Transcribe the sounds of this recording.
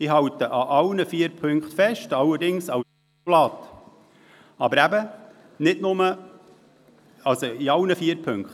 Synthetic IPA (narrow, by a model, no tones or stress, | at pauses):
ɪɦɑwt̪əʔɑʔɑlnəfiːəɾpʰɵŋkχtfɛʃtɑləɾdɪŋsɑw | lɑt̪ | ɑbəɾæbə | nɪtnʊmə | ɑlsoiɑwnəfiːəɾpʰɵŋkt